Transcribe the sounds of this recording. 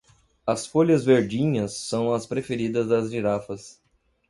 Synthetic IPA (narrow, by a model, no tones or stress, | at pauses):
ɐsfoʎɐzveɾd͡ʒĩɲɐsːɐ̃w̃ɐspɾefeɾid̪ɐzd̪ɐzɡiɾafɐs